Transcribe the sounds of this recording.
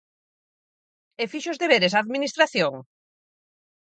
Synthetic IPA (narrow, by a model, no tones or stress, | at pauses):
efiʃʊzðeβeɾesaːðminist̪ɾaθjoŋ